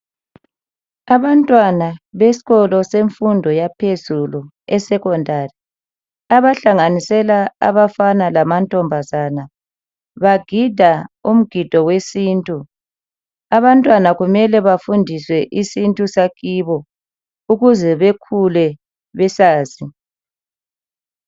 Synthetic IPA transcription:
aβantʼwanaβesi̥ɣɔlɔseɱfundʱɔjapʰezulu | ɛsɛkɔndʱari | aβaɬaŋanisɛlaa̰βafanalamantʼɔmbʱazana | βaɡ̥ʱid̥ʱaum̩ɡ̥ʱid̥ʱɔwesiːntʼu | aβantʼwanaɣumɛlɛβafundʱiswɛʔisintʼusaɣiβɔ | uɣuzɛβekʰulɛ | βɛsaːzi

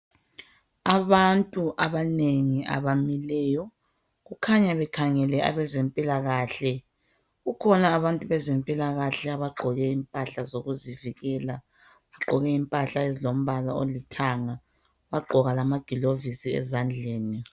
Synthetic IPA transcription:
aβantʼuʔaβaneŋiʔa̰βamilɛːjɔ | ɣukʰaɲaβɛkʰaŋɛlɛʔa̰βɛzɛmpʼilaɣaːɬɛ | ɣukʰɔnaːβantʼuβɛzɛmpʼilaɣaɬɛaβaɡ͡ǃʱɔɣɛimpʼaɬazoɣuziviɣɛla | βaɡ͡ǃʱɔɣɛimpʼaɬaezilom̩βalao̰litʰaŋa | βaɡ͡ǃʱɔɣalamaɡ̥ʱilovisiɛ̰zand͡ɮʱeːni

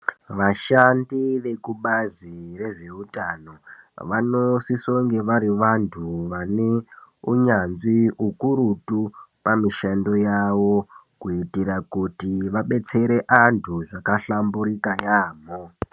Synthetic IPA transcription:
ʋaʃandiʋe̞kuɓazire̞ʐeutano̞ʋanosisoŋɡe̞ʋaɾiʋantʰuʋane̞uɲanziukuɾutupamiʃando̞jaʋo̞kuitiɾakutiʋaɓe̞t͡se̞ɾe̞ʔantʰuʐakaɬambuɾikajaːmo

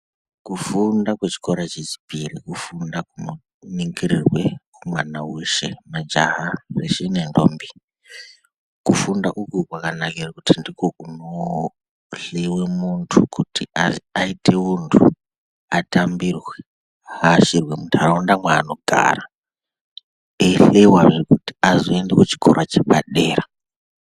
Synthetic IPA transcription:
kufundakwe̞t͡ʃi̥koɾat͡ʃet͡ʃi̥pirikufundakumu | niŋɡiɾirwe̞kumwanawuʃemad͡ʒaɦareʃenendo̰ːmbi | kufundaʔukukwakanakirakutʰindikoʔuno | ɬewemuntʰukutʰiaitʰe̞untʰu | atambirwe | aʃirwemutʰuaraundamwaːno̞ɡʱa̰ra | eɬewarekuti̥azoendekut͡ʃi̥kʰo̰ɾat͡ʃeɓaɗe̞ːra

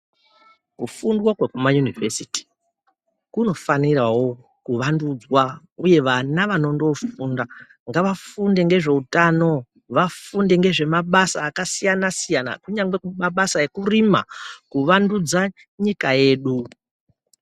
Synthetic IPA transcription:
kufundwakwekumajunivesiti̥ | kuno̞fanirawo̞ | kuʋandud͡zwa | uje̞ʋanaʋano̞ndo̞funda | ŋɡaʋafunde̞ŋɡe̞ʐe̞utano̞ | ʋafunde̞ŋɡe̞ʐe̞maɓasaːkasijanasijana̰kuɲaŋɡe̞kumaɓasaekurima̰kuʋandud͡za | ɲikaje̞ːɗu

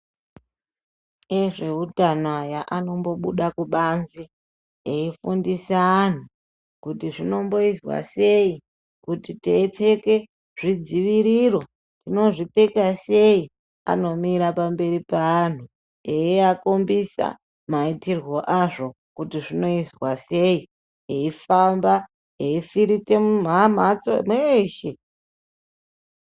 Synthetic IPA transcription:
eʐe̞utanajaʔano̞mbo̞ɓuɗakuɓanzi | eifundisaːn̤u | kutiʐino̞mbo̞izwa̰se̞i | kutiteip͡fe̞ke̞ | ʐid͡ziʋiɾiro̞ | tino̞ʐip͡fe̞kase̞i | a̰no̞miɾapambe̞ɾipaːn̤u | eiakombisa̰ | maitirwo̞ʔaʐo̞ | kutiʐino̞iswase̞i | eifamba | eifiɾite̞mum̤am̤at͡so̰mweʃe̞

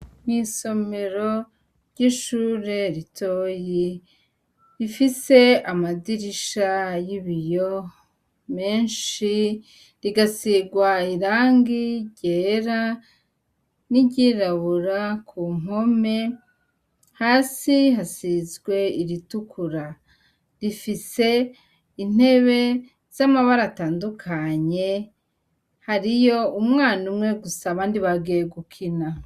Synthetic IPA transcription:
ŋiːso̞me̞ɾo̞ | ɾɟiʃuːɾe̞ɾitʰoːji | ɾifise̞amadiɾiʃajiβijo | me̞ːnʃi | ɾiɡasiɡwaiɾaːŋɡiɟeːɾa | niɟiɾaβuɾakʰumo̞me̞ | haːsiɦasizɡwe̞iɾitukʰuɾa | ɾifise̞ | in̥e̞βe̞ | z̥amaβaɾataːndukʰaɲe̞ | haɾijo̞umŋaːnumŋe̞ɡusaβaːndiβaɡijeɡukʰina

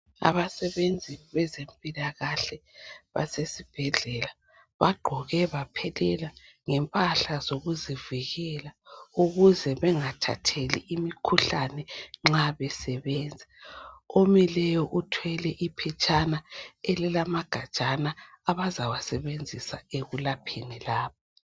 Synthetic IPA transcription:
a̰βasɛβend͡zʱiβɛzempʼilaɣaɬɛβa̰sesib̥ʱɛɮɛla | βaɡ͡ǃʱɔɣɛβapʰɛlɛla | ŋɛmpʼaɬazoɣuziviɣɛlauɣuzɛβɛŋatʰa̰tʰeliʔimikʰuɬanɛŋ͡ǁaβɛsɛβɛnd͡zʱɛomilɛjɔʔutʰwɛlɛʔipʰɛt͡ʃʼanaelilamaɡ̥ʱḁʒ̥ʼʱanaːβazawasɛβend͡zʱisa̰eɣulapʰinilaːpɔ

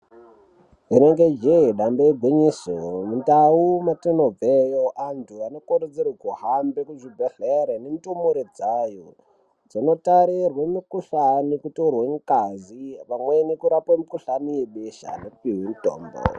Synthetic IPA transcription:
ineŋɡed͡ʒeiɗamboeɡʱwiɲisomuntaumatenob͡vejoʔantʰuano̞koɾed͡zirekuɦambekud͡ʒibʱeɮeɾenemitomoɾed͡zaːjo | d͡zino̞taɾirwemikuɬanikutorweŋkaziʋamwenikuɾapwemikuɬanijeɓeʃa̰nekupiɦinto̰ːmbo̰

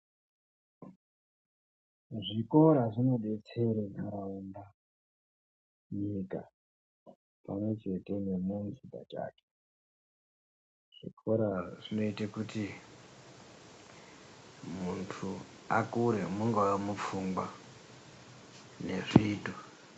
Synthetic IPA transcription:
ʐiko̞ɾaʐino̞ɓe̞t͡seɾekaɾaunda | ɲika̰ | pamwe̞t͡ʃe̞te̞ne̞munziba̰t͡ʃa̰ːke̥ | ʐ̥ḭkʰoɾaʐino̞itakuti | muntʰuakuɾemuŋɡawamup͡fuŋɡwa | ne̞ʐiːdo

